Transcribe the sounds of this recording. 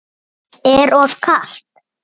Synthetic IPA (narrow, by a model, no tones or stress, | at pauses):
ɛɾɔð̥kʰaɬt̪̚